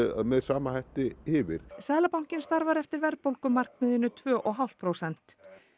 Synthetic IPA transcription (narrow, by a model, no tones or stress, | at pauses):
a̰ðmɛðsaːmahajht̪ɪhɪːvɪ̰ɾ̥sɛðlapawŋ̥cɪnst̪aɾvaɾɛft̪ɪɾvɛɾpowlkʏmːar̥kmɪðʏnːʏt̪ʰvœːʔɔɣɦal̥t̪̚pʰɾowsɛn̥t̪